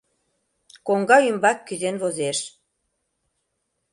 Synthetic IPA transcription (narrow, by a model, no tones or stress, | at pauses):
koŋɡɑymbɑkːyzenβozeʃ